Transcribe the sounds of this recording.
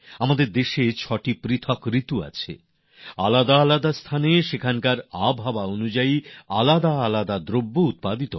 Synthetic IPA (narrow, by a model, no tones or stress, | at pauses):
amad̪eɾd̪eʃet͡ɕʰɔʈipɾit̪ʰokɾit̪ua̰t͡ɕʰḛ | alad̪aalad̪ast̪ʰaneʃekʰankaɾabʱabaonud͡ʑaialad̪aalad̪ad̪ɾobːout̪̚pad̪it̪o